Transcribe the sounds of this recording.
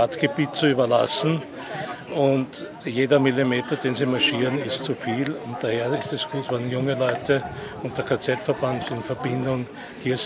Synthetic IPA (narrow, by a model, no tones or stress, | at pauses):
atɡ̥əbiːt̚t͡suyːbɐla̰sn̩ | ʔʊnt | jeːdɐmilimeːtɐdeːnziːmaʃiːʁənɪstt͡sufiːlʊnt̚d̥aheːɐɪstɛsɡ̥uːtvanjʊŋəlɔʏtʰəʊ̃nt̚d̥ɐkʰat͡sɛtfɛɐbantsɪnfɛɐbɪndʊŋ | hiːɐs